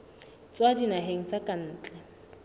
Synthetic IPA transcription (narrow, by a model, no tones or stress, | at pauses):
t͡swadinaɦeŋ̩t͡sakʼan̩ːt͡ɬʼɛ